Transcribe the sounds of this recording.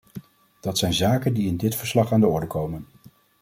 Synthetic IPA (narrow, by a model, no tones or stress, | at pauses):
d̥ɑtsɛjnzaːkəndiɪndɪtfəɹslɑχaːndəɔɹdəkowmən